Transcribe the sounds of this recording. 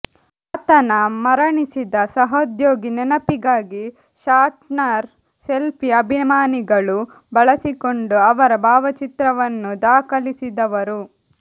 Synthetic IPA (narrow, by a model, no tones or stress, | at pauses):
ɐt̪ɐnɐmɐɾɐɳisid̪ɐsɐɦɐd̪joːɡinɛnɐpiɡaːɡi | ʃaːɾʈnɐɾ | selpʰiɐbʱimaːniɡɐɭu | bɐɭɐsiko̞ɳɖuɐʋɐɾɐbʱaːʋɐt͡ʃit̪ɾɐʋɐnːud̪aːkɐlisid̪ɐʋɐɾu